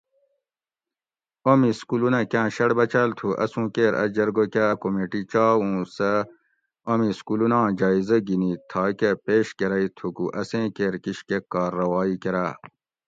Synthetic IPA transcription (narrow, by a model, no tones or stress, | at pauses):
omiskulunɐkʲãːɕɐɽbɐt͡ɕɐlt̪ʰuʔɐ̰sũːkeːɾɐ̰d͡ʑɐɾɡokaːɐkomeʈit͡ɕaːwũsɐ | omiskulunãːd͡ʑaːizɐɡinit̪ʰɑːkɐpeːɕkeɾɐit̪ʰukuʔɐsẽːkeːɾkiɕkekːɑːɾːɐwɑːikeɾa